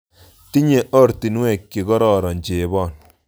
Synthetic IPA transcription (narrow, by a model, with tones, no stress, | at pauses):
ti˦ɲe˨ʔɔ˦ɾti˨n˦wɛ˨kje˨kɔ˦ɾɔ˨ɾɔ˨ɲd͡ʒe˨˦bɔ˦˨n